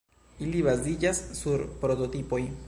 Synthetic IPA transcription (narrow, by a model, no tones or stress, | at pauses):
iliβazid͡ʒasːuɾpɾo̞t̪o̞t̪ipo̞j